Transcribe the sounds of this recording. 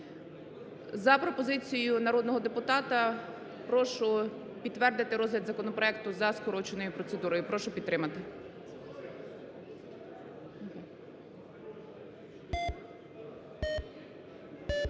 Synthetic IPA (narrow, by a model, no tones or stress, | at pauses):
zɐpɾɔpɔzɪt͡sʲijʊnɐɾɔd̪nɔɦɔd̪epʊt̪ɑt̪ɐ | pɾɔʃʊ | pʲit̪ːʋɛrd̪ɪt̪ɪɾɔzɦlʲɐd̪zɐkɔnɔpɾɔɛk̚t̪ʊzɐskɔɾɔt͡ʃenɔjʊpɾɔt̪sed̪uɾɔjʊpɾɔʃʊpʲidt̪ːɾɪmɐt̪ɪ